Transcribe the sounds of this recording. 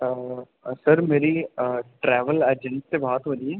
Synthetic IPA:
səɾmeːɾiʈɾɛːʋəlɛːd͡ʒənsebaɦt̪ɦoːd̪iɛ̃ː

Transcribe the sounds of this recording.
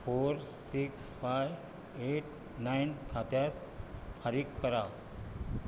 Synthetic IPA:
foɾsiksfaj | eʈ | najnkʰat̪jat̪̚ | faɾikːəɾaʋ

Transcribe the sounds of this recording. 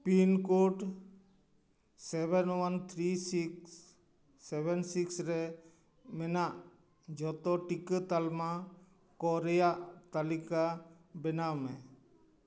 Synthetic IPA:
pinkoʈ | sɛbɛnwant̪ʰɾisiksː | ɛbɛnsiksɾɛ | mɛnaʔ | d͡ʒɔt̪ɔʈikət̪alma | kɔɾɛjaʔt̪alika | bɛnawmɛ̃

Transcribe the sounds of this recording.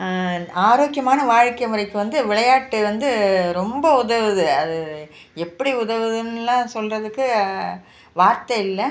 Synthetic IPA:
aːɾoːkjɐmaːnɐʋaːɻkːɐmɯɾɐɪkːɯʋɐnd̪ɯʋɪɭɐjaːʈːɯʋɐnd̪ɯɾɔmbɐʊðɐʋɯðɯɐðɯ | ɛpːɐɽiʊðɐʋɯðɯnlãːsɔlrɐðɯkːɯ | ʋaːɾt̪ɐɪlːɐ

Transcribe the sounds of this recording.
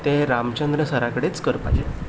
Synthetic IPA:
t̪eɾamt͡ɕənd̪ɾəsəɾakəɽet͡skəɾpa̰d͡ʑe

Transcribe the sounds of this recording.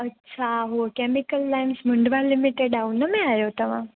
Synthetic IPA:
ɐtːɕʰaɦuəkeːmɪkəlːaːɪnsmʊ̃ɳɖʋalɪmɪʈeɖaunəmẽaːjot̪ɐʋ̤ã̰

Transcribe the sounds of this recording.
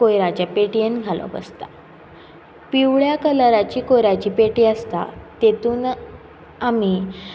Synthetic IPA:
kojɾat͡ɕjapeʈijenɡʱalɔ̰̃pə̰st̪ḁ | piʋɭjakələɾat͡ɕiːkojɾat͡ɕiːpeʈiːəst̪a̰t̪et̪uːn | ami

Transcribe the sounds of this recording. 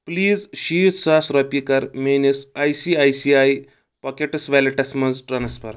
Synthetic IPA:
pliːd͡zɕiːt̪sasɾɐpikəɾmenesajsiajsiaj | pɐkeʈəsʋɛleʈɐsməd͡zʈɾansfəɾ

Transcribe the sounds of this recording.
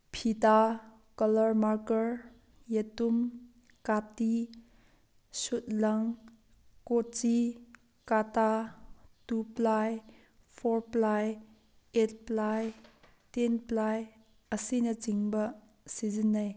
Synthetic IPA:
pʰita | kɐlɐɾmaɾkəɾ | jetum | kati | sut̚lɐŋ | kot͡ʃi | katatuplaj | pʰoɾplaj | et̚plaj | tenplaj | əsinɐt͡ʃiŋbɐ | sizinːaj

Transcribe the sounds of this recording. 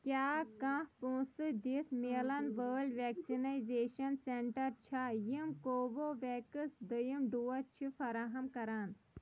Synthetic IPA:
kʲjaːkãːhpũːsɨd̪it̪ʰmeːlɐnʋəːlɖʋeːksinajzeːʃɐnseɳʈɐɾt͡ʃʰajimkoːʋoʋeːkɨsd̪əjimɖuːɐt͡ʃʰifʰɐɾaːɦɐmkɐɾaːn

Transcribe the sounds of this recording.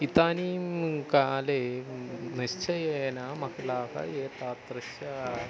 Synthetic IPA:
it̪aːnikaːle | niɕt͡ʃɐjeːnamɐklaːkɐ̰jeːt̪aːt̪ɾɨʃjɐ

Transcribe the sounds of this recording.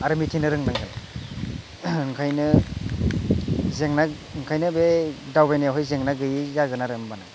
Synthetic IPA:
aɾɯmitʰinɯɾɯŋnaŋkʰɯn | ŋkʰajnɯ | zeŋna | ŋkʰajnɯbedawbajnajaɦɔjzeŋnaɡɯjizaɡɯnaɾɯŋbana

